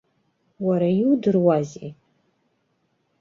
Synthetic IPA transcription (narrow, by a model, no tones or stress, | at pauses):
waɾajiwudɨrwazi